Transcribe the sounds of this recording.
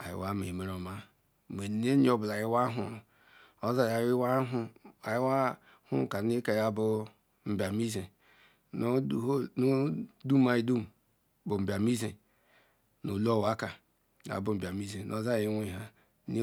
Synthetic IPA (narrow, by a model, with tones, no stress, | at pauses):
a˨jḭ˨wa˦mḛ˨me˨ɾo˨ma˦ | me˨ne˦ɲ˦o˦bla˨ji˦wa˦ɦṵ˨ | o˦za˦ja˨˦i˦wa˦ɦa˨ji˦wa˦ | hṵ˦˨ka˨ni˦ka˨ja˨bu˦ | m̩˨bʲa˨mi˦ze˨ | no˦˨˦no˦du˦m˦a˨i˦du˦m˨ | bo˨m̩˨ba˨mi˦ze˨ | no˨lo˦˨wa˦ka˨ | n˨a̰˨bu˨m̩˨ba˨mi˦ze˨nʔo˨˦za˦ji˦e˦˨ɦa˦ | ni˦